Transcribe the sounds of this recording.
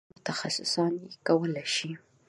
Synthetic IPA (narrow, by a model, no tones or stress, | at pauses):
ʊt̪ʰɐxɐsʊsɑnikɐwəlɐʃi